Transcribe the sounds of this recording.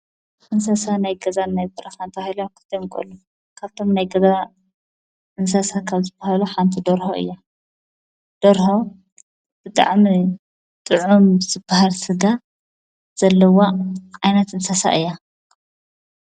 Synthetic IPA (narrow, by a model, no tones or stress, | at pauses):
ʔɨnsasanajɡɐzanːajbɨɾɐxant̪ʰahilokʰɨ̥t̪ʰomkʼɨ̰lːu | kʰaβt̪ʰo̞mnajɡɐza | ɨnsasakʰaβzɨbahaluħant̪ʰid̪oɾhoʔɨ̰jːa | d̪̥oɾho | b̥ɨt̪ʼa̰ʕmi | t̪ʼɨʕumz̥ɨbːahalsɨɡa | z̥ɐlːɐwaʕajnɐt̪ɨnsasa̰ʔɨjːa